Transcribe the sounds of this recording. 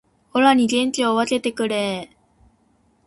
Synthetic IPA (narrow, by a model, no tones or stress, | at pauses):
o̞ɾaɲ̟iɡẽ̞ɲ̟t͡ɕioβat̪e̞t̪e̞kɯ̟ɾe